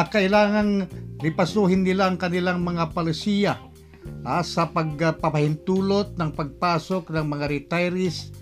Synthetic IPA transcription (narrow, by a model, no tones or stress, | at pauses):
kɐʔɪlaːŋɐŋlɪpɐsuːɦɪnːɪlaɐŋkɐnɪlaŋmɐŋapɐlɪsiːja | ʔasɐpɐɡ̚pɐpɐhɪnt̪uːlot̪̚nɐŋpɐɡ̚paːsoknɐŋmɐŋaɾɪt̪ajɾɪs